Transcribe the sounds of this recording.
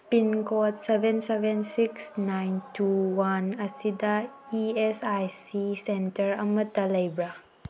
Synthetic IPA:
pinkɔtsebʱensebʱensiksnajntuwanɐsidɐiesajsisentɐɾɐmɐtːɐlɐjbɾa

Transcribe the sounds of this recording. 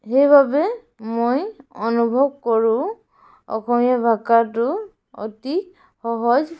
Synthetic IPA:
hejbabɛ | mojɔnubʱɔb̚kɔɹʊ̃ | ɔ̰kʰɔmijabʱakat̬ʊ | ɔ̰tik | xɔɦɔz

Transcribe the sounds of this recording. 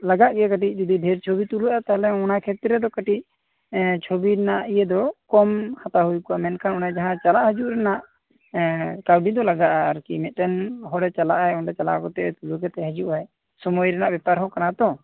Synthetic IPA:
laɡaʔɡɛkəʈic̚ˀd͡ʒud̪ibʱɛɾt͡ʃʰobit̪uluʔat̪aɦlɛɔnakʰɛt̪ɾɛd̪ɔkəʈic̚ | t͡ʃʰobiɾɛnaʔijɛd̪ɔkɔmhat̪aɦujkuʔamɛnkʰanɔnad͡ʒaɦãt͡ʃalaʔhəd͡ʒuʔɾɛnaʔ | kawɖid̪ɔlaɡaʔaːɾkimɛt̪̚ˀt̪ɛnɦɔɽɛt͡ʃalaʔajɔɳɖɛt͡ʃala̰ʔkɔt̪ɛʔɛt̪uluɡɛt̪ɛɦəd͡ʒuʔaj | sɔmɔjɾɛnaʔbɛpaɾɦɔ̃kanat̪ɔ

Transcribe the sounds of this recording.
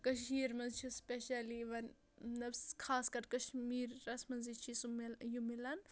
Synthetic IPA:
kɐʃ̬iːɾmɐnzt͡ʃʰispʲeʃɐliʋɐn | nɐbskʰaːskɐɾkɐʃmiːɾːɐsmɐnzit͡ʃʰisumjumilɐn

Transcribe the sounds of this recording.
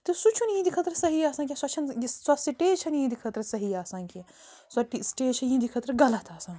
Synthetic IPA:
t̪ɨsut͡ʃʰunjĩd̪ikʰɐt̪ɾɐsɐɦijaːsaːnkʲĩswɐt͡ʃʰɐniswɐsiʈeːt͡ʃʰɐnjĩːd̪ikʰɐt̪ɾɐsɐɦijaːsãːnkʲi | sɐʈisʈeːt͡ʃʰɐnjĩd̪ikʰɐt̪ɾɐɡɐlɐt̪ʰaːsãːn

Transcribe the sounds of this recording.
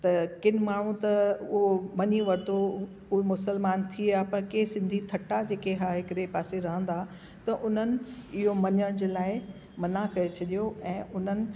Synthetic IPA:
t̪ɐkɪn̆maːɳ̤ũt̪ɐʊɦomɐɲiʋɐɾt̪o | ʊemʊsəlmaːnt̪ʰiaːpɐɾkeːsɪ̃nd̪ʱit̪ʰɐʈad͡ʑeːkeɦaːɦɪkəɗepaːseɾɐɦə̃nd̪aː | t̪ɐʔʊn̤ənɪ̆ɪɦomɐɲəɽ̃d͡ʑeːlaːɪ | mɐnakɐet͡ɕʰɐɗijoʔɛ̃ːʔʊn̤ənɪ̆

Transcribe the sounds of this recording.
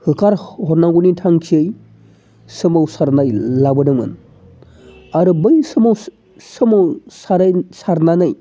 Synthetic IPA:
hɯkʰaɾhɔɾnaɡunitʰaŋkʰiɯj | sɯmawsaɾnajlabɯdɯmɯ̰n | aɾɯbɯjsɯmaw | sɯmawsaɾsaɾnanaj

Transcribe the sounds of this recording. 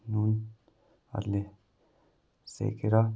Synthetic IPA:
nuːn | a̰ɾle | sḛkeɾa

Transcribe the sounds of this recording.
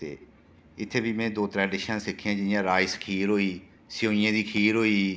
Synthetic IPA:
t̪ḛː | ɪt̪ʰːeːbiːmɛ̃ːd̪oːt̪ɾɛːɖɪʃãsɪkʰːãːd͡ʒɪjãːɾaːɪskʰiːɾɦoːiː | sɪjõːɪjãːd̪iːkʰiːɾɦoːiː

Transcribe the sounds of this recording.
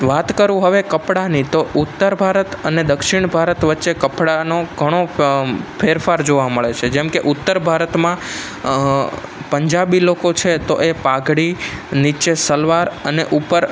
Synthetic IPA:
ʋat̪kəɾũɦəʋekəpɽanit̪oʔʊt̪ːəɾbʱaɾət̪əned̪əkʃiɳ̃bʱaɾət̪ʋətːʃekəpɽanoɡʱəɽ̃o | pʰeɾfaɾd͡ʒoʋaməɭet͡ʃʰed͡ʒɛmkeʔʊt̪ːəɾbʱaɾət̪mã | pəɲd͡ʒabilokot͡ʃʰet̪oʔepaɡɽinit͡ʃesəlʋaɾəneʔupəɾ

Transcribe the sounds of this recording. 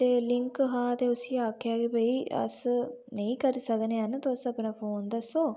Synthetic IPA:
t̪eːlɪŋkɦaːt̪eːʊsiːaːkʰeaːɡibəiːə̰snəĩːkəɾiːsəkneːɦənt̪õːəsəpnaːpʰoːnd̪əsõː

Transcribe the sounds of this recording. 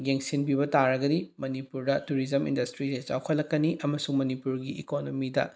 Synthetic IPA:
ɡeŋsinbiβɐtaɾɐɡɐdimɐnipuɾdɐtuɾid͡ʒɐmḭndɐstɾiset͡ʃa̰wkʰɐlːɐkːɐniʔɐmɐsuŋmɐnipuɾɡiʔḭkonomidɐ̰

